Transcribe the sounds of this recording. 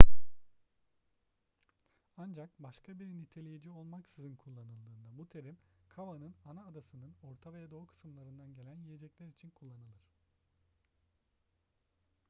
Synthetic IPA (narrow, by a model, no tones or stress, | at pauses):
and͡ʒak̚baʃkʰabiɾinit̪ʰe̞lʲejid͡ʒio̞lˠmaksɯzɯnkʰulˠːanɯlˠd̪ɯːnd̪abut̪ʰe̞ɾimkʰavanɯnanaːd̪asɯnɯno̞ɾt̪ʰavejad̪o̞kʰɯ̥sɯmlˠaɾɯnd̪anɟe̞lʲænjije̞d͡ʒɛclʲæɾit͡ʃʰinkʰulˠːanɯlˠɯɾ̥